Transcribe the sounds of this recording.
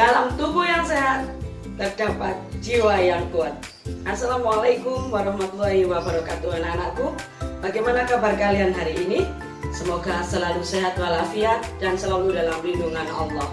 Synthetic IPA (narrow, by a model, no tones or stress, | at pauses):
d̥alamt̪ubujaŋseɦat̪ | t̪ərdapat̪̚d͡ʒiwajaŋkuat̪̚ | ʔasːalamalajkʊmwaɾɑhmat̪ulːɔɦiwabaɾɔkat̪uɦananaʔku | b̥aɡajmanakabarkalianɦaɾiʔːni | səmoɡasəlaluseɦat̪̚walafiat̪̚d̥ansəlaludalamlinduŋanɔ̰lˠːɔh